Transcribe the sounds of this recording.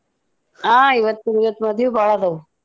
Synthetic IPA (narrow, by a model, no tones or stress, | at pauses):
aːiʋɐt̪ːuiʋɐt̪ːumɐd̪ʱːjubaːɭɐd̪ɐʋu